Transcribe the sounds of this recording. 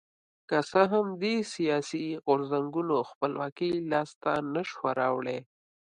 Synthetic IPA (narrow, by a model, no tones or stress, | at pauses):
kasəɦamd̪esijɑsiɣʊɾzaŋɡunoxpəlwɑkilɑst̪anaʃwaɾɑ̰wɽe